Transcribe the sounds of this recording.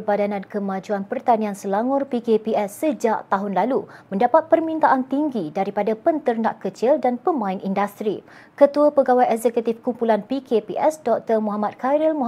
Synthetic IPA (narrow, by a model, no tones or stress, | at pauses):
badanãnkəmãd͡ʒuanpərt̪aniansəlaŋʊrpikepiʔɛsːəd͡ʒaʔt̪aɦʊnlalumə̃ndapat̪̚pərmĩnt̪aʔant̪iŋɡidaɾipadapənt̪ərnaʔkət͡ʃildanpəmãɪnindast̪ɾi | kət̪uapəɡawajɛkzɛkut̪ifkumpulanpikepiʔɛsdɔk̚t̪əmɔɦamat̪̚kaɾilmɔ